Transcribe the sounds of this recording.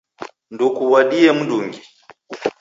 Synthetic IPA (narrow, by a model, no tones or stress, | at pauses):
ndukuwaɗiɛmuduŋɡi